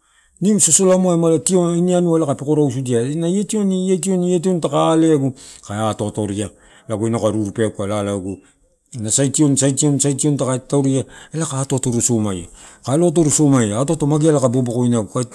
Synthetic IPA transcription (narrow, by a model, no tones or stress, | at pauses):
nimso̞so̞lamoaemalatio̞inianuaelakapeko̞ɾawsudianajetionietio̞netio̞ntakaːle̞aɡukaeatoatoɾia | laɡojnakaɾuɾupeakalalaɡu | nasajtio̞nsajtio̞nsajtio̞ntakatawɾiaelakaːtoatoɾuso̞majakaeloatoɾoso̞majaatoatomaɡialakabobokojnaɡuka